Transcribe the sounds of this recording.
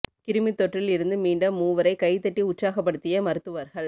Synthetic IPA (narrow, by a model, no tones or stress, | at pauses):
kɪɾɯmit̪ːɔʈrɪlɪɾɯnd̪ɯmiːɳɖɐmːuːʋɐɾɐɪkɐɪt̪ːɐʈːiʊʈt͡ʃsaːɣɐp̬ːɐɽɯt̪ːɪjɐmɐɾɯt̪ːɯʋɐɾɣɐɭ